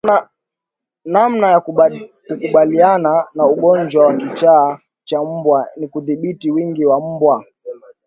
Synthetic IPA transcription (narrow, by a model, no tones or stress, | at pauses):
namnajakukuɓaliananauɡɔnd͡ʒwawakit͡ʃaː | t͡ʃam̩bwanikuðiɓitiwiŋɡiwam̩bwa